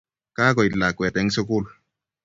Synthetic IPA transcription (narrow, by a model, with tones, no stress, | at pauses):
kaː˦kɔ˨i˨lːa˨kwɛ˨tɛ˨˦ŋso˦ku˦l